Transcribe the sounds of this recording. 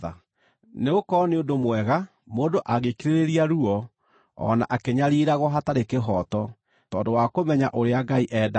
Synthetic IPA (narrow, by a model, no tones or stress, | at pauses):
a̰ | neɣokɔneondomwɛɣa | moːndoʔaɣekiɾeɾeɾiaɾuɔ | ɔ̰na̰ʔakeɲaɾiɾaɣwɔɦataɾekeɦɔtɔ | tɔːndowakomɛɲaʔoɾeaɡaiʔɛda